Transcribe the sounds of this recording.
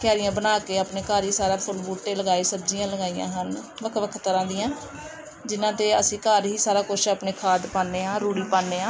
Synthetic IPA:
kjaːɾɪjãːbənaːkeːaːpneːkəːɾɦiːsaːɾaːpʰʊlbuːʈːeːləɡaːiːsəbd͡ʒijãːləɡaːiːjã̰ːɦən | ʋəkʰʋəkʰt̪əɾãːd̪iːjãː | d͡ʒɪnãːt̪eːəsĩːkəɾɦiːsaːɾaːkʊt͡ʃʰaːpneːkʰaːd̪paːnːeːãːɾuːɽiːpaːnːeːãː

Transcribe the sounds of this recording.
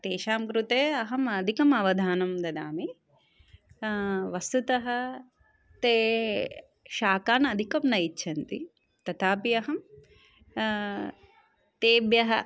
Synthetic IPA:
t̪eːʃaːmkɾut̪eːɐɦɐmɐd̪ʱikɐmɐʋɐd̪ʱaːnɐmd̪ɐd̪aːmi | ʋɐst̪ut̪ɐɦɐ̆ | t̪eː | ʃaːkaːnɐd̪ʱikɐmnɐjitːʃʰɐnt̪ḭ | t̪ɐt̪ʰaːpiɐɦɐm | t̪eːbjɐɦɐ̰

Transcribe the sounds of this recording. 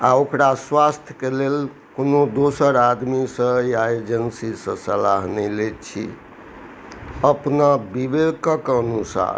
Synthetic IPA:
aokɾaswast̪ʰjəkelel | konod̪osəɾad̪misə̃jaed͡ʒənsisə̃səlaɦnɛjlet͡ʃʰḭ | əpnabibed̪kəkənusa̰ɾ

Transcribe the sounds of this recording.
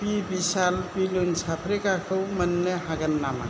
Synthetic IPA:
pibisalpilunsʰapʰɾekakʰɯwmɐnːeɦaɡɐnːama̰

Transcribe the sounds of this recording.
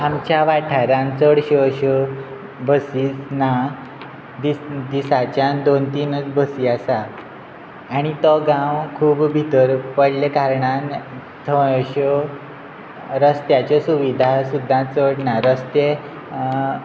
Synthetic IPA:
amt͡ɕjaʋaʈʰaɾãnt͡səɽɕəɕə | bʱəsiːsna | d̪id̪isat͡ɕjãnd̪ont̪iːnət͡sbəsiasaː | ɽ̃it̪ɔɡãwkʰuːbbʱit̪əɾpəɽlekaɾɳan | t̪ʰəɕə | ɾəst̪jat͡ɕesuʋid̪ʱasud̪ʱːãt͡səɽnaɾəst̪e

